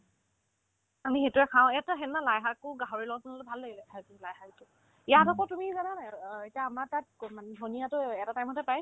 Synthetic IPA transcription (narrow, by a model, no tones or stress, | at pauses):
amixetuɛkʰãw̃ɛtaɦɛnnalajɦakʊɡaɦoɹilɔɡɔt̚zɔnɔlɛbʱalːeɡilɛkʰajtumilajɦaitʊ | jatɔkɔtumizananajetiaːmatat̚manbʱonijatʊɛtatajmɔtɛpaj